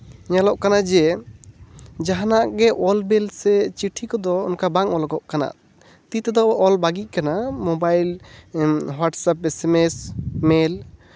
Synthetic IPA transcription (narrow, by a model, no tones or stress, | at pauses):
ɲalɔʔkanad͡ʒɛ | d͡ʒaɦanaʔɡɛʔɔlbɛlsɛt͡ʃiʈʰikɔd̪ɔɔ̰nkabaŋɔlɔɡɔʔkana̰ʔ | t̪it̪ɛd̪ɔʔɔlbaɡic̚ˀkanamɔbajl | waʈsap̚ɛsɛmɛsmɛl